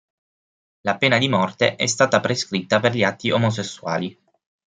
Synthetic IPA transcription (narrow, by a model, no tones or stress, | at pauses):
lapeːnad̪imɔrt̪ḛʔɛst̪aːt̪apɾeskɾit̪ːaperʎiat̪ːiomos̬esːua̰ːli